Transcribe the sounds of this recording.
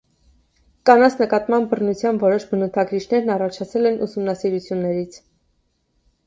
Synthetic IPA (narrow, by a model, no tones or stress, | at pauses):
kɑnɑt͡sʰnəkɑt̪mɑnbərnut͡sʰjɑnvɔɾɔʃbənut̪ʰɑɡɾit͡ʃʰnɛɾnɑrɑt͡ʃʰɑt͡sʰɛlɛnʔusumnɑsiɾut͡sʰjunːɛɾit͡sʰ